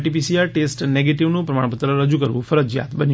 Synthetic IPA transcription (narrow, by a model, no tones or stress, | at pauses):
ʈip̬isiaɾʈesʈneɡeʈiʋnũpɾəmaɳ̃pət̪ːɾəɾəd͡ʒukəɾʋũfʰəɾəd͡ʒja̰t̪bəni